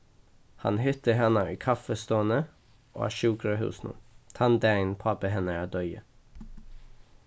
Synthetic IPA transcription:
hɑ̰nhʏt̪əɦɛnɑiːkʰɑfəst̪oːənə | ʔo̰ːæ̰ːʃʉːkɾəhʉ̰ːsnṵːt̪ʰɑnd̪æɪnpʰɑpəhɛnəæːd̪œʏə̰

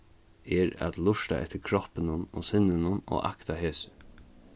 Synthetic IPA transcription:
ɛɾa̰t̪lʊʂt̪a̰ʔɛ̰t̪ːɪɾkʰɾɔhpɪnʊno̰ːsɪnːɪnʊno̰ːʔa̰kt̪aɦeːsɪ̥

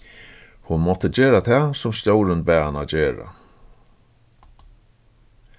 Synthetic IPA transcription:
hʊnmɔt̪əd͡ʑeːɾat̪ʰɛːsʊmst̪jowɾɪnbɛːanad͡ʑeːɾa̰

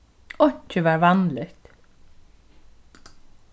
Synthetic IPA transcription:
ɔɲ̥t͡ʃəvaɹvanlɪt̪

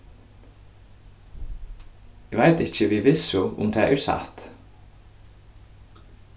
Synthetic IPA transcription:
ɛɡʋaɪt̪ɪçəʋiːʋɪsʊʊ̰md̪ʰɛːʔa̰ʉsɑ̰t̪

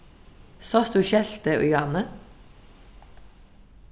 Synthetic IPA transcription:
sɑːsd̪ʉːʃɛlt̪əʔʊ̰jɑːnə

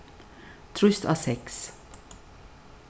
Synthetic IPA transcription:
t̪ʰɾʉst̪ʰɑ̰ːsɛks

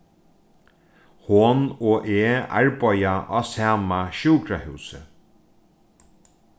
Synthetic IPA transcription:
hʊnoːʔeːa̰ɹpɔjaʔɑ̰ːsaːmaʃuːkɾahʉwsə̰

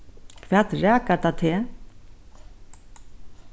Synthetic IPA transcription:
kʰvɛːt̪ɾɛːkat̪at̪ʰe

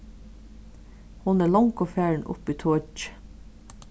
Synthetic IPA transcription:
hʊnæːɭɑŋkʰoːfæːɹɳ̩ʔʊ̰piːt̪ʰoːd͡ʒ

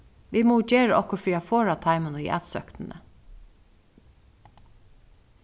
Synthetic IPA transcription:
ʋiːmoːd͡ʒeːɾəʔɔkɔfɾiːafoːɹat̪ʰɑɪmənəḭːʔæ̰ːt̪sœkt̪ənə̰

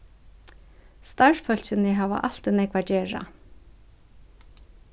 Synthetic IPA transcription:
st̪aʂfœl̥sɪnɪɦaːʋa̰ʔal̥t̪ʏnɛkvat͡ɕɛːɹa̰

